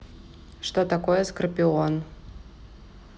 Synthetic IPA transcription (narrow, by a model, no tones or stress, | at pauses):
ʂt̪ot̪akojɛskrpʲion